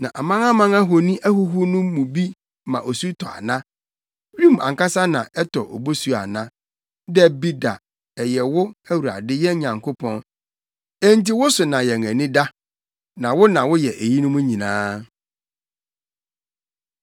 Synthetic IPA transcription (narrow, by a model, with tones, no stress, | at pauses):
nã˨ʔa˨mã˦ŋa˦mã˦ŋa˦ɦo˨nĩ˦ʔæ˦ɦu˦ɦʊ˦nʊ̃˦mũ˨bi˦ | mã̰˨ʔo˨su˦tʰɔ˨a̰˨nã˦ | bũ˦˨m˨ã̰˨ŋ˨ka˦sa˦nã̰˨ʔɛ˦tʰɔ˨ʔɔ̰˨bo˦su˨˦a̰˨nã˦ | dɛ˦bi˦da̰˨ | ɛ˨jɛ˨wʊ˦æ˦wu˨ɾa̰˨dɪ˦jɛ˦ɲã˨ŋkʰo˦pʰɔ̃˦n | ɛ˦n˦ti˦wʊ˦sʊ˨nã˨jɛ˨ŋæ˨nɪ̃˦da˦ | nã˨wʊ˦nã˨wʊ˦jɛ˨ʔe˨ji˦nʊ̃˦mũ˦ɲĩ˨nãː˦